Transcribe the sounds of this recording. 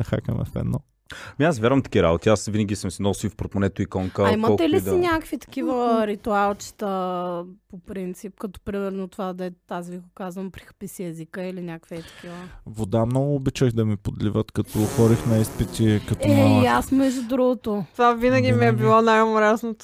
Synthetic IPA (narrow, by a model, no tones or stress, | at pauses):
nɐxa̰kə̰mɛ̰fɛ̰d̪nːɔ | miasvjaɾvɐmt̪ɐ̥kiɾa̰bot̪iasvinəɡʲisəmsinɔsiwfpɾot̪monɛt̪oikɔŋkəiməɔt̪ɛlisinʲakkəvit̪ɐ̥kivəɾit̪ualˠt͡ʃi̥t̪ə | popɾint̪sip̚kɐt̪ɔ̥pɾimɛɾnot̪ovad̪ɛt̪aziviɡokazvɐmpɾixɐ̥pisiɛzikəilinʲakvit̪ɐ̥kivəvod̪amnɔɡʊːbit͡ʃəxd̪ɐmipod̪livət̪kɐt̪ɔːxɔɾixnɛispit̪ʲikɐt̪ɔɛjasmizid̪ɾuɡʊt̪ot̪ovavinəɡʲimiɛbilˠɔnajomoɾɛsnot̪